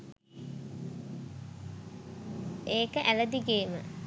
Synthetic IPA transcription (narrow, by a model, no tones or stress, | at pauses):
eːkəʔæləd̪iɡeːmə